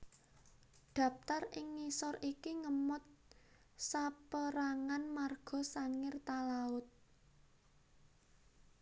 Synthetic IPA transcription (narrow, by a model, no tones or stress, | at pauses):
d̪̥ä̤p̚t̪arɪŋːisɔrikiŋəmʊt̪̚ | sapəɾaŋanmarɡ̥ɔ̤saŋɪrt̪alaʊt̪̚